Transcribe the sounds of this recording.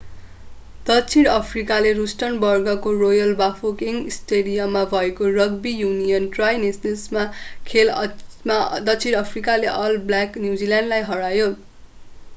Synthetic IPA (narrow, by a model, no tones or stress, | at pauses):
d̪̥ʌt͡sʰiɽʌpʰrikalerusʈʌnbʌrɡʌkorojʌlbapʰokiŋisʈeɽijʌmːabʱʌekorʌɡbijunijʌnʈrajnesnesmakʰelmad̪ʌt͡sʰiɽʌpʰrikaleʔʌlblaknjud͡zilãɳnɖlajɦʌɽajo